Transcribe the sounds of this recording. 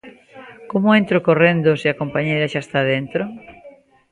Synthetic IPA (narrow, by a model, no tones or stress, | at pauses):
komʊent̪ɾokorend̪oseakompaɲejɾaʃaest̪aðent̪ɾo